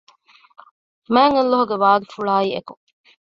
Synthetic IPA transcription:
mæːŋelːoɦuɡeʋaːɡifuɭaːieku

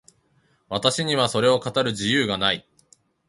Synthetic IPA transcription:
βat̪aɕiɲ̟iβ̞aso̞ɾe̞o̞kat̪aɾɯ̟ʑijɯːɡanai

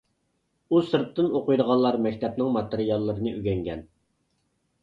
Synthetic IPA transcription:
usɨɾt̪ːɨnoqʊjd̪əʁɑlːˠɑɾmɛkʲt̪ʰɛp̚nɪŋmɑt̪eɾijɑlˠːəɾɨnɨʔyɡʲɛŋɡʲɛn

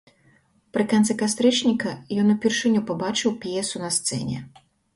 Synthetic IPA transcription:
pɾɪkɐnɪkɐst̪ɾɪt͡ʃnʲikɐjɔnʊpʲirʃɪnʲupɔbɑt͡ʃɪwpʲjɛsʊnɐst̪sɛ̰nʲɛ̰

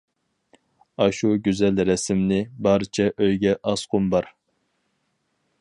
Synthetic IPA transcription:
ɑʃuɡʲyzɛlɾɛsɪmnɪbɑɾɨt͡ʃʰɛʔøjɡʲɛʔɑsqʰʊmbɑɾ

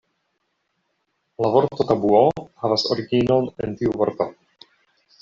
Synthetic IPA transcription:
lavo̞ɾto̞tabuohavasoɾiɡino̞ne̞ntiuvo̞ɾto

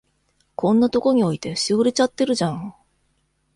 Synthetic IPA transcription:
kʰõ̞nːat̪o̞ko̞ɲ̟io̞it̪e̞ɕioɾe̞t͡ɕat̪ːeɾɯ̟ʑãŋ

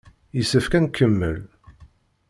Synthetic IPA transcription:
jəsːəfkænkʰːəmːə̰l

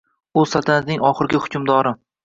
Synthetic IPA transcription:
ʊ̥sat̪ʰanat̪nɪŋɒχɨɾɡʲɪhʊ̥kʲʰʊmd̪ɒɾɪ

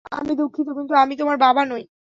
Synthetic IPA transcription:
a̰mid̪ukʰːit̪okint̪uamit̪omaɾbabanoj

